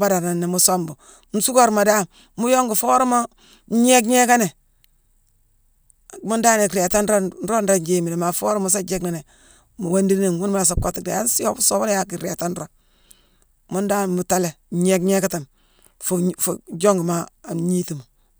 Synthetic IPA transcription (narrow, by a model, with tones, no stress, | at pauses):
ba˦da˨ɾna˨nːe˨mu˦so˦mbu˨ | n̩˦su˦ko˦ɾma˨da˦˨ | mu˦jo˦ŋɡu˨fo˦ɾma˦ | ɲe˦kɲe˦ka˦ne˨ | mu˦nda˦ne˨kɾe˨ta˦nɾo˦n˦ɾo˦nɾa˦d͡ʒe˦mi˨ɾe˨ma˨fo˦ɾmu˦s̬a˦d͡ʒe˦kna˨ne˨ | mu˨wa˦ndi˦ni˦˨ŋwu˦n˦mu˦la˨s̬a˨ko˦ti˨da̰˨a˦si˦jo˨bso˨ba˦lja˦ki˨ɾe˨ta˦n˦ɾo˦ | mu˦nda˦n˨mu˨ta˦le˨˦ɲe˦kɲe˦ka˦ta˨m | ffd͡ʒo˦ŋɡma˦˨ɲi˦ti˨mu˨